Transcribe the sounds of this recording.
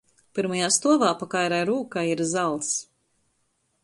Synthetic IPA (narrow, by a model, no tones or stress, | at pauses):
piɾmajaːst̪uɔvaːpakajɾajɾuːkajiɾzalˠs